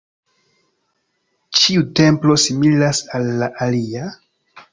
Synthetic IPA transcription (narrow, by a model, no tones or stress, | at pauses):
t͡ʃiute̞mplo̞similasalːaʔalia